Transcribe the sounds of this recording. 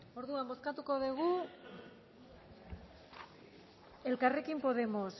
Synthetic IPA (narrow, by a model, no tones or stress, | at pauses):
o̞ɾðuambo̞skat̪uko̞ðeɣ̞u | e̞lkare̞kimpo̞ðe̞mo̞s